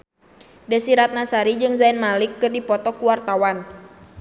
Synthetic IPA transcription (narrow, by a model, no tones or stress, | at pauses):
dɛsiɾat̪̚nasaɾid͡ʒɨŋzainmalɪkːɨrdipɔt̪ɔkuwart̪awan